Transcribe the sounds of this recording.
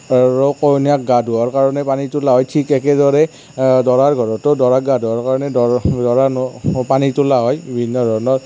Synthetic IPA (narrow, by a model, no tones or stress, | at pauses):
aɹɔkɔjniak̚ɡaduɔɹkaɹɔnɛpanitʊlaɦɔjtʰikɛkɛdɔɹɛ | dɔɹaɹɡʱɔɹɔtɔdɔɹakɡaduɔɹkaɹɔnɛdɔdɔɹanɔpanitʊlaɦɔjibʱinːɔdʱɔɹnɔɹ